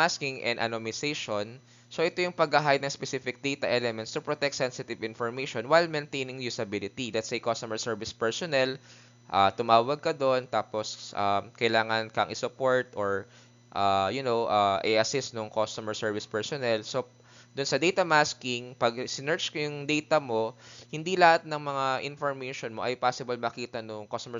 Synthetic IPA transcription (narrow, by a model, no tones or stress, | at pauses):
maskɪŋʔɛ̰nd̪ʔɐ̰nomɪsejʃon | soʔɛt̪ojʊŋpɐɡɐɦajnɐŋspɛsifɪk̚d̪ejt̪ɐʔɛlɛmɛnt̪st̪ʊpɹot̪ɛk̚t̪sɛnsɪt̪ɪvɪ̃nfɔɹmejʃonwajlmɛnt̪ejnɪŋjusɐbilɪt̪ilɛt̪sɐjkost̪ɔmɛɹsɛɹvɪspɛɹsɔnɛl | ʔat̪ʊmaːwɐɡ̚kɐd̪ont̪aːposʔakɐjlaːŋɐnkɐʔɐ̰ŋʔɪsʊpoɹt̪ʔoɹ | ʔajʊnowʔaʔɛʔɐsɪst̪nʊŋkost̪ɔmɛɹsɛɹvɪspɛɹsɔnɛlso | d̪ʊnsɐd̪ɛjt̪ɐmaskɪŋpɐɡ̚sɪnɛɹd͡ʒkojʊŋd̪ɛjt̪ɐmo̞hɪnd̪ilɐhat̪̚nɐŋmɐŋaʔɪnfoɹmɛjʃonmoʔɐjpaːsɪbɐlmɐkiːt̪ɐnʊŋkost̪ɔmɛ